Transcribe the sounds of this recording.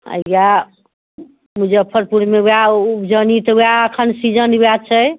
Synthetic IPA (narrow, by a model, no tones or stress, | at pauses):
ə̰ja | mud͡ʒeəpʰəɾpuɾmeuaud͡ʒənit̪əuaəkʰənsid͡ʒənujat͡ʃʰəj